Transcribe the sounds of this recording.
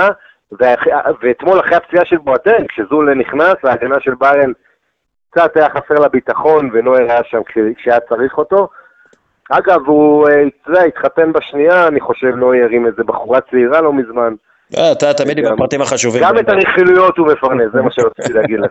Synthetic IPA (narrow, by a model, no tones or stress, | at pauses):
a | veaχaveːt̪mo̞laχʁeapt͡siaʃe̞lboatenkʃezuleniχnasaːɡanaʃe̞lbaʁen | kt͡saʁt̪ajaχase̞ʁlabitaχo̞nveno̞iʁaaʃamkʃekʃeajat͡saʁiχo̞to̞ | aɡavueideait̪χate̞nbaʃniaːniχo̞ʃe̞vno̞ijaʁimezebaχuʁat͡seiʁalo̞mizman | at̪at̪amid̪iɡmapʁat̪imaχaʃuviɡamet̪aʁiχilujo̞t̪ume̞faʁnezemaʃeʁot͡sit̪ileaɡid̪le